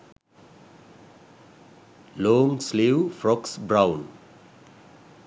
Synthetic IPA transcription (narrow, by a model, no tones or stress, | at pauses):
lɔːŋslewfɾɔksbɾãʊn